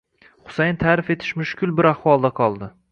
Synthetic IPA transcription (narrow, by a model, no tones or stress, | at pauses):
χʊ̥sajnt̪ʰaːɾɪfe̞t̪ʰɪ̥ʃmʊʃkʲʰɪlˠbɪɾaχwɒlˠd̪aqʰɒlˠd̪ɪ